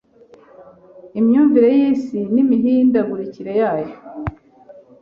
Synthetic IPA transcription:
imɲuːɱviɾe̞jiːsinimiɦiːndaɡuɾiciɾe̞jaːjo

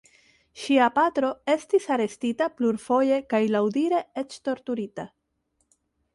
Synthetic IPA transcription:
ʃiapatɾo̞e̞stisaɾe̞stitapluɾfo̞je̞kajlawdiɾe̞e̞t͡ʃto̞ɾtuɾita

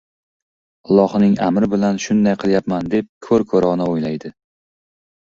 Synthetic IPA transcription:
ɑlˠːɒhnɪŋa̰mɾɪbɪlanʃʊnd̪ajqʰɨlˠjapmand̪e̞p̚kʰɵɾkʰɵɾɒnaojlajd̪ɪ

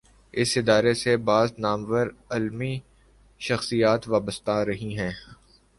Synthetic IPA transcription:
ɪsɪd̪aːɾesebaːznaːmʋəɾɐlmi | ʃɐxsijaːt̪ʋaːbəst̪aɾɐɦĩɦɛ̃ː

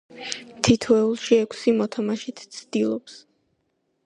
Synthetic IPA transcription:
t̪ʰit̪ʰɔɛulˠʃiɛkʰsimɔt̪ʰamaʃit̪ʰt̪sʰd̪ilˠɔps

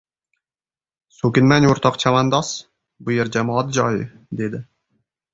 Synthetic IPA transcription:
sokʲɪnmænoɾt̪ʰɑqt͡ʃʰamand̪ɑs | bʊjeɾd͡ʒamɒːɑt̪d͡ʒɒjɪ | d̪ed̪ɪ

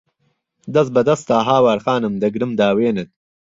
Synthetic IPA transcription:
d̪ɐs̬bɐd̪ɐst̪aːɦaːwaɾxaːnɐmd̪ɐɡɾɨmd̪aːweːnɐt̪̚

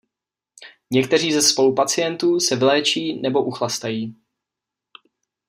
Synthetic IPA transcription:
ɲɛkt̪ɛr̝iːzɛspo̞lupat͡sɪjɛnt̪uːsɛvɪlɛːt͡ʃiːnɛbo̞ʔuxlast̪ajiː

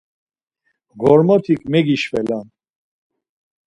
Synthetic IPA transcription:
ɡɔɾmɔt̪ʰikʰʼmɛɡiʃvɛlan

